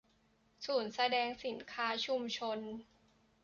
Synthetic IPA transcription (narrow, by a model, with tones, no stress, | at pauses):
suː˨˩nsa˧dɛː˧ŋsi˨˩˦nkʰaː˦˥t͡ɕʰu˧mt͡ɕʰo˧n